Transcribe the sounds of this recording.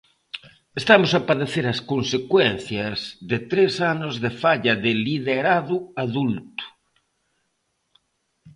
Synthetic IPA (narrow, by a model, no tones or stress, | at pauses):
est̪amosapaðeθeɾɐskonsekwenθjɐzðɪt̪ɾesanozðefaʎɐðɪliðeɾaðʊaðult̪ʊ̥